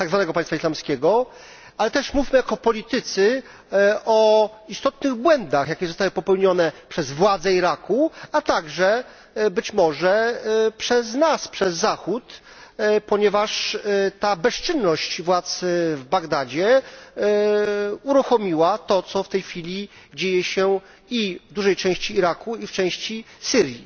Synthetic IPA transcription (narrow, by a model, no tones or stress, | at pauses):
t̪aɡzvanɛɡɔpãj̃st̪faislamskʲɛɡɔ | alɛt̪ɛʂmufʲmɘjakɔpɔlʲit̪ɘt̪sɘ | ɔ | ist̪ɔt̪nɘɣbwɛnd̪axjakʲɛzɔst̪awɘpɔpɛwɲɔnɛpʂɛzvwad̪zɛiɾakuat̪aɡʐɛ | bɘt͡ɕmɔʐɛpʂɛznaspʂɛzːaxut̪ | pɔɲɛvaʂt̪abɛst͡ʂɘnːɔɕt͡ɕvwat̪svbaɡd̪ad͡ʑɛ | uɾuxɔmʲiwat̪ɔt̪sɔft̪ɛjxfʲilʲi | d͡ʑejɛɕɛ | ivd̪uʐɛjt͡ʂɛ̃w̃ɕt͡ɕiːɾakuift͡ʂɛ̃w̃ɕt͡ɕisɘɾji